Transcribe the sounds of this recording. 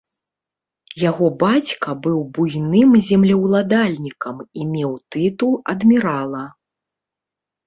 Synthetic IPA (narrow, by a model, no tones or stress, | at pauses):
jaɣɔbat͡sʲkɐbɨwbujnɨmzʲɛmlʲɐwlˠad̪alʲnʲikɐmimʲɛwt̪ɨt̪ulˠɐ̰d̪mʲiɾalˠɐ